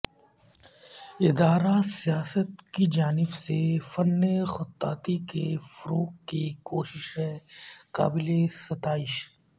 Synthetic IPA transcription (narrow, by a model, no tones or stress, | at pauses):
ɪd̪aːɾasijaːsət̪kid͡ʒaːnɪbsefɐnːexʊt̪ːa̰ːt̪ikefɐɾoːkːikoːʃɪʃɦɛ̃ːka̰ːbɪlesɐt̪aːɪʃ